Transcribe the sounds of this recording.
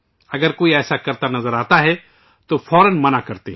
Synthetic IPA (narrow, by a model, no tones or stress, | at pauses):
ɐɡəɾkoːiɛːsakɐɾt̪anɐzəɾaːt̪aɦɛ | t̪ofʰɔːɾənmɐnakɐɾt̪eɦ